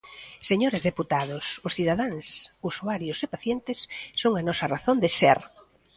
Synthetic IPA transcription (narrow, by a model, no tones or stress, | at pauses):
seɲoɾɪzðeput̪að̞ʊsʊsθiðaðaŋsusuaɾjʊsepaθjent̪ɪsːoŋanɔsɐraθond̪ɪseɾ